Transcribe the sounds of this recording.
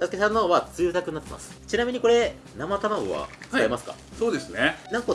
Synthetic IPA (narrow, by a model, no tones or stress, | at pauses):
t̪asɨ̥ke̞sãnːoβat͡sɨːt̪akɯ̟ɲːat̪ːema̰sɨ̥t͡ɕinamʲiɲ̟iko̞ɾe̞ | namat̪amaɡo̰βa̰t͡skaemasɨ̥ka̰ | soːd̪e̞sɨnenãŋko